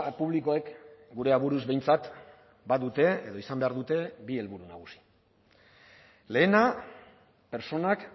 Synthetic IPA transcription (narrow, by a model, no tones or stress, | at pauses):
puβ̞liko̞ekɡuɾe̞aβ̞uɾuzβe̞jnt͡sat̪ | baðut̪e̞eðo̞isambe̞aɾðut̪e̞bie̞lβuɾunaɣusi̥ | le̞ːna | pe̞ɾt͡so̞nak